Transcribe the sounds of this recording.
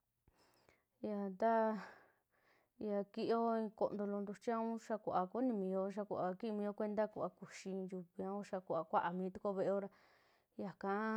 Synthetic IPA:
ja˧nd̪a˦ | ja˧ki˦˧ʔo˦ĩ˧ko̰˧ʔnd̪o˧lo˧nd̪u˧t͡ʃi˦ã˧˦ũ˦ʃa˧kʷʔa˧ku˦nĩ˧mĩ˧jo˧ʃ̬a˧kʷu˧˨ʔa˨ki˦i˧mĩ˧jo˧kʷe˧nd̪a˦ku˨a˧ku˨ʃĩ˧ju˧βi˧a˧ũ˦ʃa˧ku˨a˨kʷa˦ʔa˨mĩː˧˦t̪u˧ko˧βe˧ʔe˧o˦ɾa˧ | ja˨kã˧˦

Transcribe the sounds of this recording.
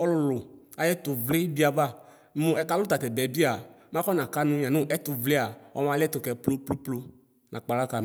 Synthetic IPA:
ɔ˦lʊ˨lʊ˨a˨jɛ˦tʊ˨vlɪ˦bi˦a˨ba˦˨˦ | mʊ̃˨ɛ˨˦ka˨˦lʊ˦t̪a˨tɛ˨bɛ˨bi˦a˨m˦ã˦kɔ˦nã˨ka˦nʊ̃˦˨a˨nʊ̃˦ʔɛ˦t̪ʊ˨vlɪ˦a˨ɔ̰˦mã˨lɪ˦ɛ˦t̪ʊ˨kɛ˨plo˦plo˦plo˦ | nã˨k͡pa˨la˦ka˨

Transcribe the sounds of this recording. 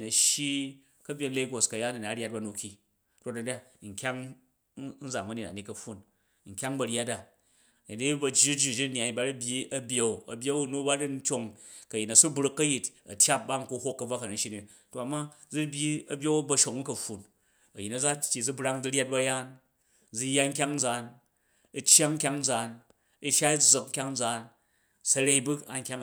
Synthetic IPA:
nɐ˨ʃji˦ | kɐ˦bʲje˧n˦le˦ɡo˨skɐ˨ja˦na˨na˨˦ɾʲa˦t̚ba˨˦nu˨kʲi˨ | to˦tdɐ˨da˦ | ŋ̩˨kʲa˦ŋ | n̩˦d͡za˨mɐ˦ne˨ta̰˨ni˨˦kɐ˨ɸːu˦n | ŋ̩˨kʲa˦ŋbɐ˨ɾja˦ta˨ | ni˨di˦bɐ˧d͡ʒi˦d͡ʒu˦˨d͡ʒi˦˨nja˨i˨ba˦ɾi˦bʲji˦ɐ˦bʲje˦u˨ɐ̰˨bʲje˦u˦nu˦ba˦di˦n̩˦t͡ʃʲo˨ŋkɐ˨ji˨tnɐ˨su˦bɾu˦kːɐ˦ji˨tɐ̰˨tʲja˦p̚ba˦ŋ̩˨ku˦ho˦kːɐ˨b͡va˦kɐ˨nɐ˨ʃi˦ni˨ | to˨a˨mːa˦ | d͡zu˦bʲji˦ɐ˨bʲe˦wu˦bɐ˧ʃo˨ŋ̩˦kɐ˨ɸu˨n | ɐ̰˨ji˨nɐ˨d͡za˦tʲːi˨d͡zu˦bɾa˦ŋd͡zu˦ɾʲa˦t̚bɐ˦ja˦n | d͡zu˧jːa˦ŋ̩˦k̬ʲa˦ŋn̩˦d͡za˨n | i˧t͡ʃja˦ŋŋ̩˦kʲa˦ŋn̩˦d͡zaː˨n | i˦˧ʃa˦i˦d͡zɨ˨k̚ŋ̩˦kʲa˦ŋn˦d͡zaː˨n | sɐ˧ɾe˦i˦bu˦a̰˨ŋ̩˦kʲa˦ŋ˨

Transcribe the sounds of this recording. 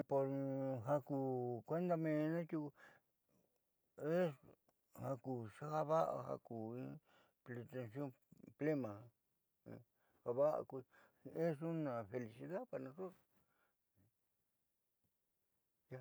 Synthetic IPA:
po˧ɾɦa˧kuː˧˨kʷe˦nd̪a˧mẽ˧nã˦t͡ʃu˦˧ | e˦ | ha˧ku˨ʂa˦ha˦βa˦ʔa̰˧ha̰˧ku˨ĩ˦ | ple˧t̪e˧nsjõ˦ | ple˦mã˨a̰˧ | ha˧βa˦ʔa̰˧ku˧ | e˦s̬u˦nã˨fe˧li˧si˧ða˦pa˨nã˧so˦˨˧ | ja˦˧

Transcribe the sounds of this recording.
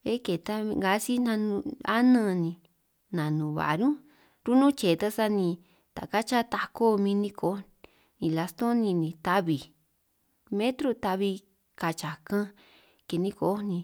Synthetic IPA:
e˦ke˨t̪a˧ŋɡa˨˧˦si˦nã˧nũ˧a˦nə̃˦˧nĩ˧ | nã˨nũ˨βa̰˨ɾũ˦ | ɾu˦nũ˦t͡ʃe˨t̪a˦sa˦nĩ˧ | t̪a̰˨ka˦t͡ʃa˦t̪a˧ko˦mĩ˧nĩ˧ko˨˦ | nĩ˨la˧st̪õ˦nĩ˧nĩ˧t̪a˧βi˨ | mẽ˦t̪ɾu˧t̪a˧βi˧ | ka˧t͡ʃa˨kã˦ | ke˨nĩ˧ko˨˦nĩ˧

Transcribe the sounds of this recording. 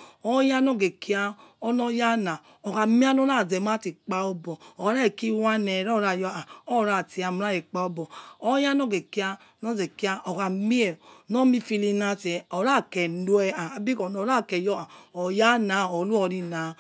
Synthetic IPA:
ɔ˦ja˦nɔ˦˨ɡe˨ki˦a˧ɔ˦nɔ˦ja˦na˨ | o˨ka˨mi˦a˦no˦ɾa˦˨zɛ˨m˦a˦ti˨k͡pa˧o˧bɔ˨o˨˦ɾɛ˦˨ki˦wa˦nɛ˨ɾɔ˦˨ɾa˧˨jɔ˧˦a˨ɔ˦˨ɾa˧˨ti˨a˨m˦ɾa˦i˨k͡pa˧˦o˦bɔ˨o˦ja˦nɔ˦˨ɡe˨ki˦a˧˦nɔ˦zɛ˨ki˦a˧ʔo˨ka˨mi˦ɛ˨nɔ˦mi˧fi˧li˧na˧˦ti˨ɛ˨ɔ˨ɾa˦˨kɛ˨nu˦ɛ˧a˨a˨bi˦kɔ˨no˨˦ɾa˦˨kɛ˨jɔ˦a˨o˨ja˦na˨o˨lu˦ɔ˧ɾi˧na˨

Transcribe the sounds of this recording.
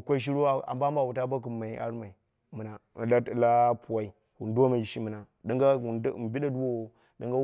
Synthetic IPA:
kʷa˦ʃ̬i˦ɾo˦˨a̰˨mba˦mba˨wu˨ta˦ba˦k̬u˨mːa˨i˨a̰˦ɾma˨i˨ | mə˨na˨la˦˨la˦pu˨wa˦i˨ | wu˨n˦da˦ma˨ʃi˦mə˨na˨ | di˦ŋɡa˦u˨n˦˨m˨bi˦ɗa˦du˦wo˦o˨ | də˦ŋɡa˦

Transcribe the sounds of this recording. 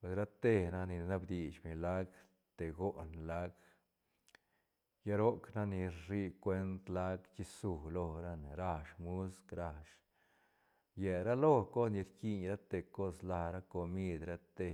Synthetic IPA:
pwe˧sɾa˦t̪e˧na˦ni˨na˦bd̪i˨t͡ʃmi˨la˦ɡ | t̪e˨ɡo˦nla˦ɡ | ja˦ɾo˦kna˦ni˧ɾi˦kwe˦nt̪la˦ɡt͡ʃi˦su˨lo˧ɾa˦n˨ɾa˧ʂmu˦skɾa˧ʂ | je˨ɾa˦lo˦ko˦sni˧ɾki˧ɲɾa˦t̪e˨ko˦sla˧ɾa˦ko˧mi˦d̪ɾa˦t̪e˧

